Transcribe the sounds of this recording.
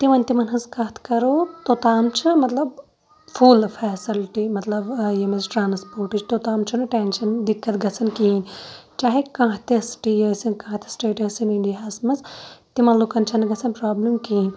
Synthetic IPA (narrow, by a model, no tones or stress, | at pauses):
t̪imɐnʲt̪imɐnɦɐzkɐt̪ʰkɐɾoːt̪ot̪aːmt͡ʃʰɨmɐt̪lɐb | fʰuːlfʰɛːsilʈimɐt̪lɐbjɐmɐzʈɾaːnspoːɾʈɨt͡ʃʰt̪oːt̪aːmt͡ʃʰunɨʈeːnʃɐnd̪ikːɐt̪ɡɐt͡sʰɐnkiːnt͡ʃaːɦekãːt̪iɐsʈijɐːsinkãːt̪i̥sʈeːʈɐsiniɳɖiɦɐsmɐzt̪imɐt̪lukɐnt͡ʃʰɐnɡɐt͡sʰɐnpɾaːblɐmkiːnʲ